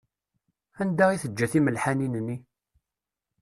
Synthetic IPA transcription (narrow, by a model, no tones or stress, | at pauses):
ænd̪æʁiθəd͡ʒːæθiməlħaninənːi